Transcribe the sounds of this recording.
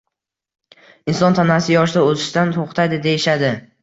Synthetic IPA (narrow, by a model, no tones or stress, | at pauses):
ɪnsɒnt̪ʰanasɪjɒʃ̬d̪aɵzɪʃd̪ant̪ʰoχt̪ʰajd̪ɪd̪eɪʃad̪ɪ